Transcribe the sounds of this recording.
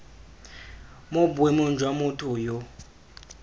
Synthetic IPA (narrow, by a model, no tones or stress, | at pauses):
mobuɛmond͡ʒʱwamutʰʼujo